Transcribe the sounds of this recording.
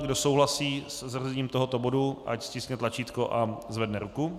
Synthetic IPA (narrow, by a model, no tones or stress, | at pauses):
ɡdo̞so̞wɦlasiːsɛzrzɛɲiːmt̪oɦo̞t̪o̞bo̞duʔa̰cscɪskɲɛt̪lat͡ʃiːt̪koʔazvɛdnɛɾuku